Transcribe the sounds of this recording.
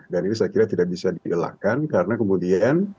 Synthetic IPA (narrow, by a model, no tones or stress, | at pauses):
daninusakiɾat̪idak̚bisadiʔəla̰kankaɾənakəmudian